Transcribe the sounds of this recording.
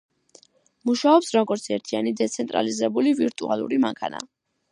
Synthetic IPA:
muʃaɔpsɾɔɡɔɾt̪sʰɛɾt̪ʰianid̪ɛt̪sʰɛnt̪ʼɾa̰lizɛbuliviɾt̪ʼua̰lˠṵɾima̰ŋkʰana̰

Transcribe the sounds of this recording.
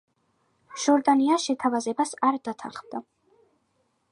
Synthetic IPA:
ʒ̥ɔɾd̪aniaʃɛt̪ʰavazɛbasaɾd̪̥at̪ʰaχmd̪a

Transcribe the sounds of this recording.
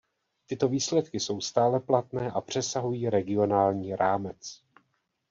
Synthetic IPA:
t̪ɪt̪o̞viːslɛt̪kɪso̞wst̪aːlɛplat̪nɛːʔapr̝̥ɛsaɦujiːɾɛɡɪo̞naːlɲiːɾaːmɛt͡s

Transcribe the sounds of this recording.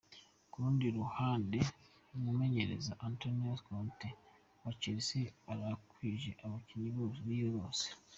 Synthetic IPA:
kuɾuːndiɾuhaːnde | mume̞ɲe̞ɾḛzaʔantonaskonte | waciɾiseaɾakwiːʒeʔaβociɲiβozuβijoɾoːse̥

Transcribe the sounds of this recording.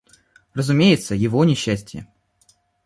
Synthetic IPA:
rəzʊmʲejɪt̪səjɪvonʲɪɕːæsʲtʲɪjə̰

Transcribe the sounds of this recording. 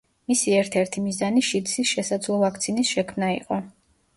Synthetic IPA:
misiɛɾt̪ʰɛɾt̪ʰimizaniʃid̪sisʃɛsad̪zlˠɔvak̚ʰt̪sʰinisʃɛkʰmnaḭqʼɔ

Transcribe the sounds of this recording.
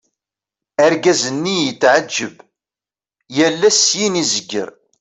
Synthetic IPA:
æɾɡæzənːijət͡sːʕəd͡ʒːəb | jælːæsjinizəɡːə̰ɾ

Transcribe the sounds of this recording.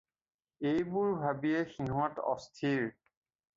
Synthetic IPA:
ejbuɹbʱabiɛxiɦɔ̃tɔ̰stʰiɹ

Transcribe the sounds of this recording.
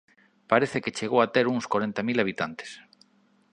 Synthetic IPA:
paɾeθeket͡ʃeɣowat̪eɾuŋskwaɾent̪amilaβ̞it̪ant̪e̥s

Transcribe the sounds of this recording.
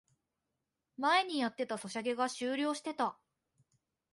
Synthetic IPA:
mae̞ɲ̟ijat̪ːe̞t̪aso̞ɕaɡe̞ɡaɕɨːɾʲo̞ːɕi̥t̪e̞t̪a

